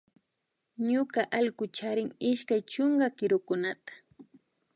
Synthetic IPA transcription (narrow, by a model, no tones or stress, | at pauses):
ɲʊkaʔalkʊt͡ʃaɾɪŋɪʃkajt͡ʃoŋɡakɪɾʊkʊnat̪ḁ